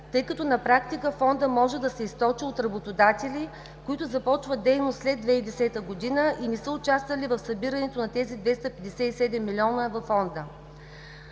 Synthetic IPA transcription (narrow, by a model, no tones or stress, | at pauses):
t̪ɤjkɐt̪ɔnɐpɾakt̪ikəfɔnd̪əmɔʒɛd̪ɐsɛist̪ɔt͡ʃiot̪ɾɐbot̪od̪at̪ɛli | koit̪ʊzɐpɔt͡ʃvəd̪ɛjnost̪slɛd̪vɛid̪ɛsɛt̪əɡod̪inəʔinisəʊt͡ʃast̪vɐlivɐfsɐbiɾɐnɛt̪onɐt̪ɛzid̪vɛst̪ɐpɛd̪ɛsɛisɛd̪ɛmːilʲiɔnəvɐfːɔnd̪ə